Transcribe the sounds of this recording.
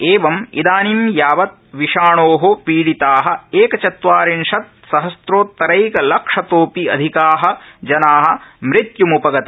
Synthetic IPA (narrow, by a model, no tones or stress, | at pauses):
eːʋɐmḭd̪aːnimjaːʋɐt̪̚ʋiʃaːɳoːɦopiːɽit̪aːɦɐ̆eːkɐt͡ʃɐt̪ʋaːɾinʃɐt̪̚ | sɐɦɐsɾoːt̪ːɐɾɐjkɐlɐkʂɐt̪oːpiɐ̰d̪ʱikaːɦɐ̆d͡ʒɐnaːɦɐ̆mɾit̪jumupɐɡɐt̪ɐ